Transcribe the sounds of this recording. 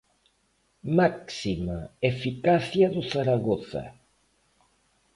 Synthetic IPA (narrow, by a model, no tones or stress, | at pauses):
maksimaefikaθjaðʊθaɾaɣoθɐ̰